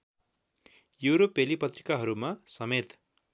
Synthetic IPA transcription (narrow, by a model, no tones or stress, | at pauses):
juɾopelipʌt̪ri̥kaɦʌɾumasʌmet̪